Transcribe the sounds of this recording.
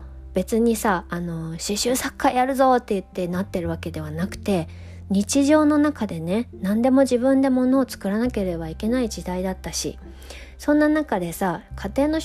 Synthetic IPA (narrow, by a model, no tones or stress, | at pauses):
b̥e̞t͡sɨɲ̟isaːno̞ɕiɕɨːsakʰːajaɾɯ̟zo̞t̪ːe̞ɯ̟t̪ːe̞nat̪ːe̞ɾɯ̟βake̞d̪e̞βanakɯ̟̥t̪e̞ | ɲ̟it͡ɕiʑo̞ːno̞nakad̪e̞ne̞nãnd̪e̞mo̞ʑibɯ̟̃nd̪e̞mo̞no̞ːt͡sɨ̥kɯ̟ɾanake̞ɾe̞baike̞naid͡ʑid̪aid̪at̪ːaɕḭ | sõ̞nːanakad̪e̞sakʰat̪e̞ːno̞